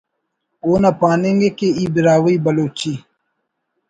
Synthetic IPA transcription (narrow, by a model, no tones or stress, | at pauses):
oːnapaːniŋɡekeiːbiɾaːwiibɐloːt͡ʃi